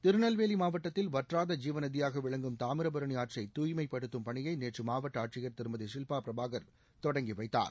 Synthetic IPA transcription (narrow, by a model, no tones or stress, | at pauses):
t̪ɪɾɯnɐlʋeːlimaːʋɐʈːɐt̪ːɪlʋɐʈraːðɐd͡ʒiːʋɐnɐðɪjaːɣɐʋɪɭɐŋɡɯmt̪aːmɪɾɐbɐɾɐɳiaːʈrɐɪt̪uːjmɐɪpːɐɽɯt̪ːɯmpɐɳɪjɐɪneːʈrɯmaːʋɐʈːɐaːʈʂɪɣɐɾt̪ɪɾɯmɐðɯʂɪlpaːpɾɐbaːɣɐɾ | t̪ɔɽɐŋɡiʋɐɪt̪ːa̰ːɾ